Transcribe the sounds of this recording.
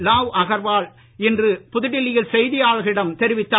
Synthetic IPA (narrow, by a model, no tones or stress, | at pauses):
laːʋɐɣɐɾʋaːɭ | ɛndrɯpʊðɪɽɪlɪjɪlsɛjðɪjaːɭɣɐɭɪɽɐmt̪ɛɾɪʋɪt̪ːaː